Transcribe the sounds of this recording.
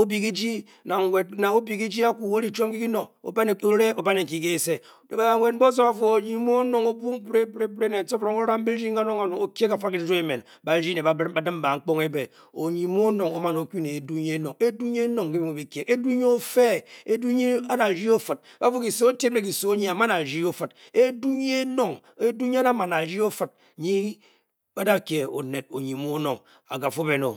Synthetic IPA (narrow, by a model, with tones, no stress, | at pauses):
o˦bi˨ki˦d͡ʒi˦ | na˨ŋ˨we˨t̚na˨o˦bi˨ki˦d͡ʒi˦a˦ku˨wo˦ɾi˦t͡ʃo˦m˦ki˦ki˦no˨ŋo̰˨ba˦n˨o˦ɾe˦o˨ba˦ne˨ŋ̩˨ki˨ke˦˨se˦˨ | ba˨a˨ŋʷe˨d̚m̩˦bo˦s̬o˦ba˨fo˦o˨ɲi˨mo˦no˨ŋo˦bu˦ŋ˦pɾe˦bɾe˦bɾe˦ne˨so˦fɾo˨ŋo˦ɾa˦m˦be˦ɾi˦ŋ˦a˦no˦ŋa˨no˨o˦kje˦ka˨fa˦ki˦d͡ʒo˦e˦˨me˨n | ba˨˦ɾi˦ne˨ba˨˦a˨dɨ˦m˦ba˨ŋ̩˦k͡po˦ŋe˦be˨ | o˨ɲi˨˦mu˦o˦no˨ŋo˦ma˨no˨ku˦ne˨e˨du˦ɲe˦e˦no˨ŋe˦du˦ɲ˦e˦no˨ŋki˦bi˦mo˨bi˨kje˨ke˦du˦ɲe˦o˦fe˦e˦du˦ɲi˦a˦da˨d͡ʒi˦o˦fɨ˨t̚ | ba˦fu˦ki˨so˦o˦te˦m˦e˨ki˨so˦ɲi˦a˨ma˦na˨d͡ʒi˦o˦fɨ˨t̚ | e˦du˦ɲe˦e˦no˦ŋ | e˦du˦ɲi˦a˦da˦ma˨na˨d͡ʒi˦o˦fɨ˨t̚ɲi˦ | ba˦da˦˨kje˨o̰˨ne˨t̚o̰˨ɲi˨mu˦o˦no˨ŋ | a̰˨ɡa˨fo˦be˨no̰˨